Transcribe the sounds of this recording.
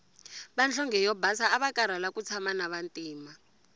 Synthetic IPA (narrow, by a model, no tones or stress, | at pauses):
ɓand͡ɮʰɔŋɡʱɛjɔbʱasaːɓakʼaɾalakut͡sʰamanaβantʼiːma